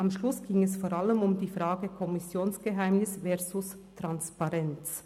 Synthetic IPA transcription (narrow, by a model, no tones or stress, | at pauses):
ʔamʃlʊsɡ̥iŋɛsfoːɾaləmʊmdiːfʁaːɡəkʰɔmɪsjoːnsɡ̥əɦaɪmnɪsvɛɐzʊs | tʁanspaʁɛnt͡s